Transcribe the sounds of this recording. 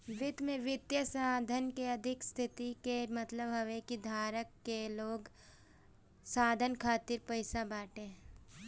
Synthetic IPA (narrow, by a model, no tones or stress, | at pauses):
ʋɪd̪mẽʋɪt̪jəsaːd̪ʱənkeɐd̪ʱɪkst̪ʰɪt̪ikemɐt̪ləbɦɐʋekid̪ʱaːɾəkːeloːɡ | saːd̪ʱənkʰaːt̪ɪɾpɐɪsabaːʈe